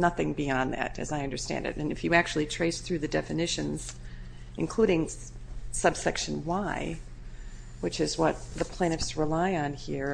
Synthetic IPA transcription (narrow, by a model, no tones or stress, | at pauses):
nʌθɪ̃ŋbiɑ̃nðæ̰ɾɨ̰zaɪʌ̃ndə˞stæ̰̃ndɨ̰ɾɨ̃nɨ̰fjɨæk̚t͡ʃʉl̩ˠitʰɹ̥eɪsθɹʉðɨdɛfɨnɪʃɨ̃nz̥ | ʔɨ̰̃nkʰl̥uɾɪ̃ŋ | sʌb̥sɛkʃɨ̃nwaɪ | wɨt͡ʃɨzwʌt̪̚ðəpʰl̥ɛ̃ñɨfsɹɪlaɪɨ̃nhiɹ